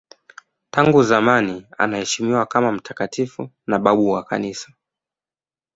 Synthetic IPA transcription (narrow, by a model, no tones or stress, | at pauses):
taŋɡuzamania̰nahɛʃimiwakamam̩tʰakatifu | naɓaɓuwaka̰nisḁ